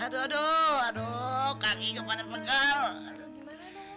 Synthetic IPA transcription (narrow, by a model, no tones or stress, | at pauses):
adoadoadokaŋikəpadapəkala̰do